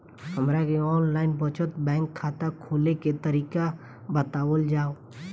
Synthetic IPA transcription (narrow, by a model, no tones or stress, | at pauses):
həmɾakeɔːnlaːɪnbət͡ʃət̪bɛ̃ːŋkʰːaːt̪akʰoːleket̪əɾiːka | bət̪aːwəld͡ʒaːo